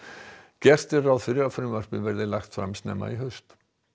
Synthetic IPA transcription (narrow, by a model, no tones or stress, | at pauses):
cɛr̥st̪ɪrawðfɪɾɪɾafɾʏmvar̥pɪvɛɾðɪlaxt̪fɾamst̪nɛ̰ːma̰iɦœst̪